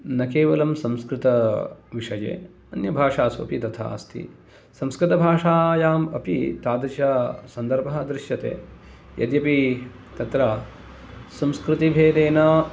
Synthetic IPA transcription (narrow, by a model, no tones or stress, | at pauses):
nɐkeːʋɐlɐmsɐ̃mskɾɪt̪ɐʋiʂɐjḛː | ɐnjɐbʱaːʂaːsuɐ̰pit̪ɐt̪ʰa̰ːst̪ʰḭ | sɐ̃mskɾɪt̪ɐbʱaːʂaːjaːmɐ̰pḭt̪aːd̪ɐt͡ʃɐsɐnd̪ɐɾbʱɐɦɐd̪ɾɪʃjɐt̪ḛː | jɐ̰d̪jɐpit̪ɐt̪ɾɐː | sɐ̃mskɾɪt̪ibʱeːd̪eːnɐ